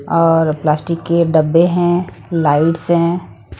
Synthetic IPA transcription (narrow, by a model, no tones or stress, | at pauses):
ɔːɾplaːsʈɪkːeɖəbːeɦɛ̃ | laːɪʈsɦɛ̃